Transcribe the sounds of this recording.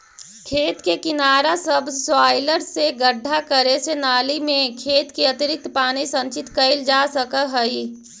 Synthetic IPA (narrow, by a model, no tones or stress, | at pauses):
kʰeːt̪kekɪnaːɾasəbswaːɪləɾseɡəɖʱːakəɾesenaːlimẽkʰeːt̪kiət̪ɪɾɪk̚t̪paːnisə̃nt͡ʃɪt̪kəɪld͡ʒaːsəkəɦəi